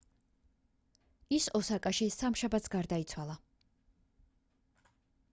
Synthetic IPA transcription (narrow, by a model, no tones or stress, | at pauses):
isɔsakʼaʃisamʃabat̪sɡaɾd̪ait̪sʰwalˠa